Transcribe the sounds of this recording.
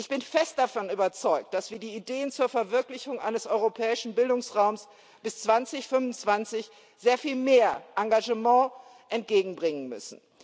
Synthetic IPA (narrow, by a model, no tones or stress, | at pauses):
ʔɪçb̥ɪnfɛst̚d̥afɔnyːbɐt͡sɔʏk̚t̚d̥asv̥iːɐdiːideːənt͡suːɐfɛɐvɪɐklɪçʊŋʔa̰ɪnəsʔɔʏʁopʰɛːɪʃn̩bɪldʊŋsʁaʊms | b̥ɪst͡sv̥ant͡sɪçfʏnvʊnt͡sv̥ant͡sɪç | z̥eːɐfiːlmeːɐʔaŋɡaʒəmɑ̃ː | ʔɛnt̚ɡ̥eːɡŋ̩bʁɪŋənmʏ̰sn̩